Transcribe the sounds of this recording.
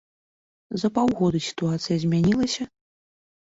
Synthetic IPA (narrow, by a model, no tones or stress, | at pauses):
zɐpawɣɔd̪ɨsʲi̥t̪uat̪sɨjɐzʲmʲanʲilˠɐsʲɐ